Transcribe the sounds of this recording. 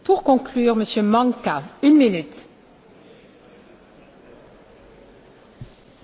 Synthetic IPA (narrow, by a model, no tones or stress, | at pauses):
puʁkɔ̃klyːʁməsjømɑ̃ŋkaynminyt̪